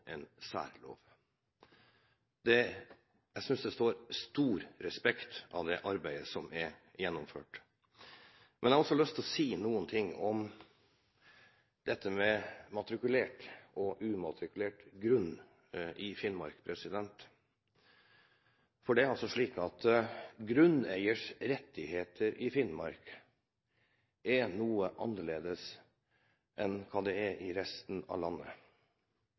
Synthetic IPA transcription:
ɛnsæ̰ːɾlo̰ːʋ | d̪̥ɛ | jæsʏnsd̪ɛst̪oːɾst̪uːɾɾɛspɛkt̪ʔɑd̪ɛʔɑɾbæɪəsɔmɛɾjɛnːɔmfø̰ːʈ | mɛnɛæhɑɾɔsɔlœst̪ʰlɔsiːnuːənt̪ʰɪŋːɔm | d̪̥ɛt̪ːəmɛmɑt̪ɾɪkʉleːʈɔʔʉːmɑt̪ɾɪkʉleːʈɡɾʉn | ʔɪfɪnmɑ̰ɾkpʰɾɛsɪd̪ɛnt̪ | fɔɖɛæɾɑlsɔʂɭiːkɑt̪ɡɾʉnæɪəʂɾɛt̪ːɪheːt̪ʰəɾʔɪfɪnmɑɾk | ʔɛnuːəʔɑnːəɭeːd̪əs | ʔɛnkʰɑːd̪ɛɛʔɪɾɛst̪n̩ɑ̰ʋlɑnːə̰

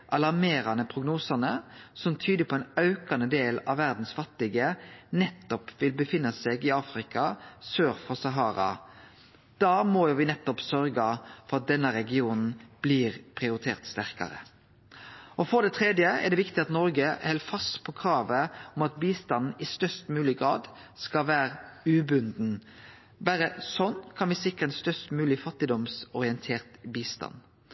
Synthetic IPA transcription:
ʔɑlɑʁmeːɾɑnəpʰɾʊɡnuːsɑnəsɔmt̪ʰyːd̪əpʰɔɛnɑʉkɑnəd̪eːlɑ̰ʋːæɾd̪n̩sfɑt̪ːɪɡənɛt̪ːɔpʋɪlbəfɪnːɑseːɡɪɑːfɾɪkɑsøːɾfɔʁsɑɦɑːɾɑ̰ | d̪̥ɑːmɔjʊʋɪnɛt̪ːɔpsœɾɡɑfɔɾɑt̪̚d̪ɛnːəɾɛɡɪuːnn̩b̥liːɾpʰʁɪʊɾɪt̪ʰeːʁt̪st̪æɾkɑ̰ɾə̰ | ʔɔfɔɾd̪ɛt̪ʰɾɛd̪jəɛ̰ʁd̪ɛʋɪkt̪ɪɑt̪nɔɾɡəhɛlfɑst̪pʰɔkʰɾɑːʋəɔmɑt̪̚biːst̪ɑnn̩ɪst̪œst̪mʉːlɪɡɾɑ̰ːd̪skɑlʋæːɾʉːbʉnd̪n̩ | bæɾəsɔnkʰɑnʋɪːsɪkːəɾɛnst̪œst̪mʉːlɪfɑt̪ːɪd̪ɔmsɔɾɪɛnt̪ʰeːʁt̪biːst̪ɑ̰n

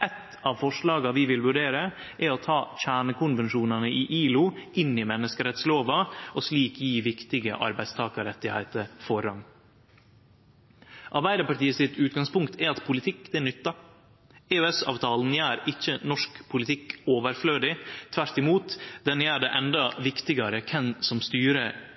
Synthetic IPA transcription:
ʔɛt̪ | ɑʋfɔʂlɑːɡɑʋɪʋɪlʋʉɖeːɾə | ʔɛɾɔt̪ʰɑːc͡çæːɳəkʰʊnʋɛnʂuːnɑnəiʔiːlʊɪnɪmɛnːəskəɾɛt̪sloːʋɑɔsliːkjiːʋɪkt̪ɪɡə̰ʔɑ̰ɾbæɪd̪st̪ʰɑːkəɾɛt̪ːɪhæ̰ɪt̪əɾfɔɾɑŋ | ʔɑɾbæɪd̪əpɑʈiːəsɪt̪ʉːt̪̚ɡɑŋspʊŋkt̪ʰɛɑt̪pʰʊlɪt̪ʰɪkːd̪ɛɛnʏt̪ːɑ | eøɛsɑ̰ːʋt̪ʰɑːln̩jæːɾɪçːənɔʂkpʰʊlɪt̪ʰɪkːoːʋəɾfløːd̪ɪt̪ʰʋæɾʈ̪ɪmuːt̪d̪ɛnjæːɖɛːʔɛnd̪ɑʋɪkt̪ɪɡɑɾəkʰɛnsɔmst̪yːɾə

